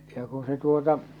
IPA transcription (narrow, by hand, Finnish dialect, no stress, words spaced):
jɑ ku se tuotɑ